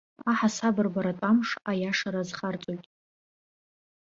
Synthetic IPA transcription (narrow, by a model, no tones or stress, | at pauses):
aħasabɨrbaɾatʷʼamʂajaʂaɾazχart͡sʼojtʼ